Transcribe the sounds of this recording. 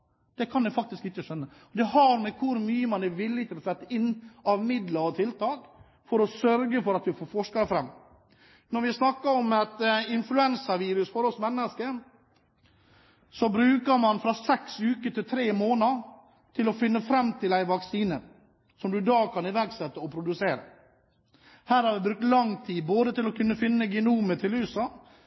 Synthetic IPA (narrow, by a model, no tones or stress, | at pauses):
d̪̥ɛkʰɑnd̪æɪfɑk̚t̪ɪskɪt͡ʃːəʂœnːə | ɔd̪ɛɦɑɾmɛkʰʊɾmyːəmɑnɛʋɪlːɪt̪ʰɪlɔsɛt̪ːəɪnːɑʋmɪd̪ləɾɔt̪ʰɪlt̪ɑːk | fɔɾɔsœɾɡəfɔɾɑt̪ʋɪfoːɾfɔʂkɑfɾɛmː | nɔɾʋɪsnɑkːəɾɔmɛt̪ɪnflʉɛnsəɾʋiːɾʉsfɔɾɔsmɛnːəskə | sɔbɾʉːkəɾmɑnfɾɑsɛksʉːkət̪ɪlt̪ʰɾeːmoːnɑ | t̪ʰɪlɔfɪnːəfɾɛmːt̪ʰɪlæɪʋɑksiːnə | sɔmd̪ʉd̪ɑːkʰɑnɪʋæɾɡsɛt̪ːəɔpʰɾʊd̪ʉseːɾə̰ | hæːɾhɑɾʋɪbɾʉk̚t̪lɑŋt̪ʰiːboːd̪ət̪ɪlɔkʰʉnːəfɪnːəɡɛnuːmət̪ʰɪlʉːsɑ